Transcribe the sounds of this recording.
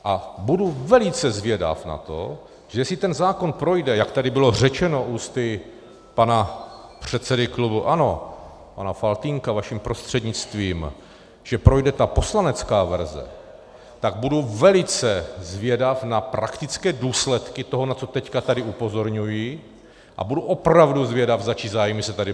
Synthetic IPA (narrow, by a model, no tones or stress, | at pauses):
ʔabuduvɛlɪt͡sɛzvɪɛda̰fna̰t̪o̞̰ | ʒ̥ɛjɛsɪt̪ɛnzaːko̞npɾo̞jdɛjakt̪adɪbɪlo̞r̝ɛt͡ʃɛno̞ʔuːst̪ɪ | panapr̝̥ɛt̪t͡sɛdɪklubuʔano̞ | panafalt̪iŋkavaʃimpɾo̞st̪r̝̥ɛdɲɪt͡st̪viːm | ʒ̥ɛpɾo̞jdɛt̪apo̞slanɛt͡skaːvɛ̰ɾzɛ̰ | t̪aɡ̚buduvɛlɪt͡sɛzvɪɛdafnapɾakt̪ɪt͡skɛːduːslɛt̪kɪt̪o̞ɦo̞nat͡so̞t̪ɛckat̪adɪʔupo̞zo̞ɾɲuji | ʔa̰buduʔo̞pɾavduzvjɛdafzat͡ʃizaːjmɪsɛt̪adɪ